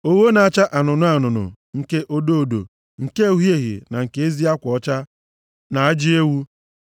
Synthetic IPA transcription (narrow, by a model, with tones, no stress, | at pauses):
o˦wo˦na˨a˦t͡ʃa˦ʔa˨nʊ˨nʊ˦a˨nʊ˨nʊ̰˨ | ŋ̩˦ke˦ʔo˦do˦o˨do̰˨ | ŋ̩˨ke˦u˦ɦje˦˨ɣḭ˨na˨ŋ̩˨ke˦e˦zi˦a˦kʷɔ˦t͡ʃa˦ | na˨a˦d͡ʒɪ˦e˦wu˦